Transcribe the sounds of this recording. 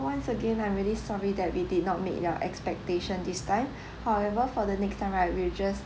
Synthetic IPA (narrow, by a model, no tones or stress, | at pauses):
wãnsəɡẽnãj̃mɹilisɔɹidɛt̚widid̚ⁿnɔt̚mḛk̚daʔɛ̰kspɛk̚teʃə̃ndistʰãɪ̃m | hawɛvəfɔdənɛkstãɪ̃mɹawild͡ʒas